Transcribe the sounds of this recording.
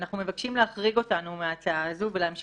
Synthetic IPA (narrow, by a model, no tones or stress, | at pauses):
naχnumevakʃimleaχʁiɡo̞tanumeat͡saazuvelaamʃ